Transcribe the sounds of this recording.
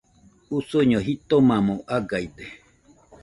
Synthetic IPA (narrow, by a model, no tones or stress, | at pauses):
usoɲõɦit̪omãmõʔaɡaid̪e